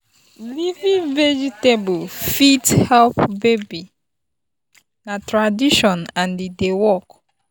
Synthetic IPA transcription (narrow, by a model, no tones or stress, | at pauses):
livĩŋvɛd͡ʒitebulfithɛlpbebi | natɾadiʃɔ̃nãndidewɔk